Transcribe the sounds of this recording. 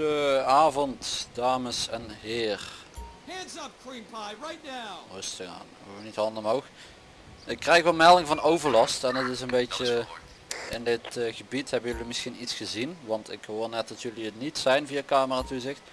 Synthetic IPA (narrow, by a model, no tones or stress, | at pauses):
əaːvɔntdaːməsɛnhɪːrhæ̃nzʌp̚kʰɹ̥ĩmpʰaɪɹaɪtⁿnaʊrɵstəɣa̰ːnaʋənithɑndəmowxə | ɪkːrɛjxʋɛlˠmɛlˠɪŋvɑnowvəɹlɑstɛnətɪsənbejtə | ɪndɪtɣəbithɛbənjɵlimɪsxinitsxəzinʋɑntɪ̰khoːrnɛt̚dɑtjɵliətnitsɛjnvijakaːməraːtuzɪxt